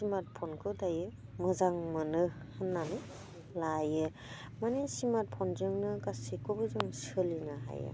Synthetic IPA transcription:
simat̚pʰɔnkʰɯdajɯmɯzaŋmɯnɯhɯnːanɯ | lajɯ | manesimat̚pʰɔnzɯŋnɯɡasikobɯzɯŋsɯlinaɦa̰jɯ̰

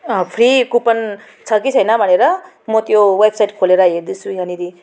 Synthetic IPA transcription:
pʰɾikupʌn | t͡sʰʌkit͡sʰʌjnʌbʱʌneɾʌ | mʌt̪jowebsajʈkʰoleɾʌeɾd̪isʰujãniɾi

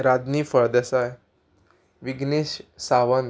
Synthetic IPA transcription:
ɾad̪niːfəɭd̪asaj | ʋiɡneɕsaʋən

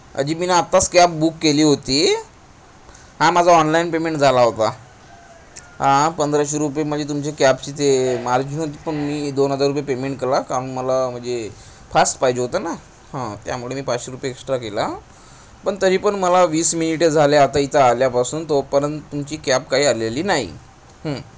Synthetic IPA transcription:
ə̰d͡ʑiːminaːt̪ːaskapbukːeliːɦot̪iː | hãmad͡zʱaɔnlainpemeɳʈd͡zʱalaɦot̪a | ɦãpənd̪ɾaɕiɾup̬jem̤əɳd͡zet̪̬umt͡ɕekæp̚t͡ɕiːt̪emaɾd͡ʑiɦot̪iːpəɳmiːd̪onɦəd͡zaɾupjepemeɳʈ̚kelakaɾəɳməlam̤əɳd͡ze | fasʈpaɦid͡ʑeɦot̪əna | hãt̪ja̰muɭemiːpat͡sɕiɾupjeeksʈɾakela | pəɳt̪əɾ̤iːpəɳməlaʋiːsminiʈed͡zʱaljaat̪ait̪aːljapasuːnt̪opəɾənt̪t̪ːumt͡ɕiːkæpkaɦiːaleliːnaɦḭ | ɦə̃

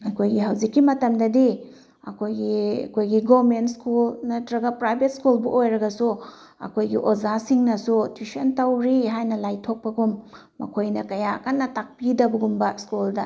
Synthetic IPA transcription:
ɐkʰojɡiɦɐwzikːimɐtɐmdɐdi | ɐ̰kʰojɡiɐ̰kʰojɡiɡomentskulnɐtɾɐɡɐpɾajbet̚skulbuʔojɾɐɡɐsu | ɐ̰kʰojɡḭʔozasiŋnɐsutʰisɐntɐwɾiɦajnɐlajtʰok̚pɐɡumː | ɐ̰kʰojnɐkɐjakɐnːɐtak̚pidɐbɐɡumbɐskuldɐ

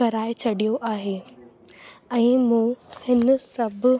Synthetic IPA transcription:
ɐɾaːet͡ɕʰɐɽijoʔaːɦeː | ɛ̃ːmũːhɪnsɐbʱ

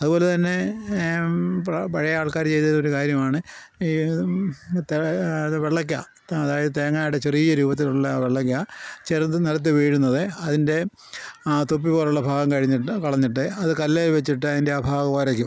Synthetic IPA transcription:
ɐðuboːle̞t̪ɐnːe̞ | pɐpɐɻɐjɐaːɭkaːɾt͡ɕe̞jt̪ɐðoɾukaːɾjɐmaːɳɨiː | t̪eʋeɭːɐk̬ʲːa | ɐðaːjɐðɨt̪eːŋːaːjuɽet͡ɕeriːjɐɾuːbɐt̪̬ːiluɭːɐʋeɭːɐk̬ʲːat͡ɕeɾɨniɾɐt̪̬ːɨʋiːɻunːɐðɨɐðinde̞ | t̪op̬ːipoːluɭːɐbʱaːɡɐmkɐɻiɲːiʈːɨkɐɭɐɲːiʈːɨɐðɨkɐlːeːlʋet͡ɕːiʈ̬ːɨɐðinde̞aːbʱaːɣɐoːɾɐk̬ʲːum

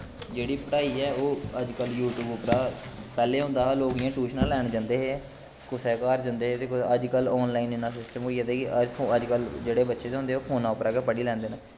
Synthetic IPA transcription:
d͡ʒeːɽiːpəɽaːiːɛːoːəd͡ʒkəljuːʈjuːbʊpɾaːpɛːleːɦʊ̃nd̪aːɦaːloːɡijãːʈuːʃnaːlɛːɳd͡ʒãːnd̪eːɦeː | kʊsɛːkaːɾd͡ʒãnd̪eːeːt̪eːkəd͡ʒkəlɔːnlaːinɪnaːs̬ɪsʈəmoːijaːd̪eːkɪəoːəd͡ʒkəld͡ʒeːɽeːbətːʃeːt̪eɦõnd̪eːoːpʰoːnãːʊpɾaːkeːpəɽiːlɛ̃ːnd̪eːnaː

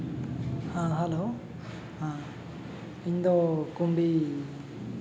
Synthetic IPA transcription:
hãɦalo | hã | iɲd̪ɔkumbi

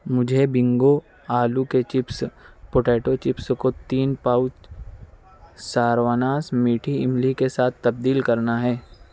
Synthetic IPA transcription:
mʊd͡ʒʱebɪ̃ŋɡo | aːluket͡ʃɪpspoʈeːʈot͡ʃɪpskot̪iːnpaːʊt͡ʃ | saːɾʋaːnaːsmiːʈʰiɪmlikesaːt̪ʰt̪ɐb̚d̪iːlkɐɾnaɦɛː

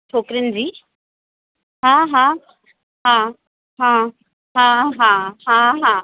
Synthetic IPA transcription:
t͡ʃʰoːkɾənd͡ʑiː | ɦãːɦãː | ɦãː | ɦã | ɦãːɦãːɦãːɦãː

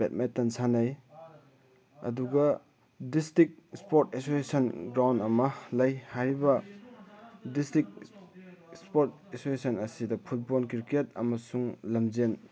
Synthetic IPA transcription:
bet̚metːɐnsʰanaj | ɐ̰duɡɐ | distik̚spoɾtesosesɐnɡɾawndɐmɐlɐjhajɾibɐ | distɾik̚ | spoɾt | esosesɐnɐsidɐpʰut̚bolkiɾket̚ɐ̰mɐsuŋlɐmzen

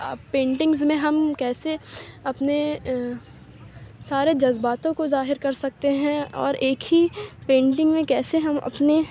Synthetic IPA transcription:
pẽːɳʈɪ̃ŋɡzmẽɦɐmkɛːseɐpne | saːɾed͡ʒɐzbaːt̪õkozaːɦɪɾkɐɾsɐk̚t̪eɦɛ̃ɔ̰ːɾeːkʰɦipẽːɳʈɪ̃ŋɡmẽkɛːseɦɐmɐ̰pne

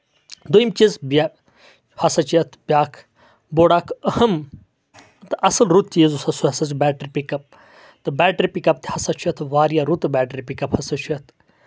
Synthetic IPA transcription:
d̪oimt͡ʃizbʲa | hɐsɐt͡ʃujɐt̪ʰbʲjaːkʰ | boːɽaːkʰɐhɐm | t̪ɨʔɐsɨlɾut̪̚t͡ʃizusɐsuhɐsɐzbɛːʈəɾʲpikɐp̚ | t̪ɨbɛːʈɾipikɐp̚t̪ʰi̥hɐsɐt͡ʃʰujɐt̪ʰʋaːɾijaɾut̪bɛːʈɾʲipikɐphɐsɐt͡ʃʰujɐt̪ʰ

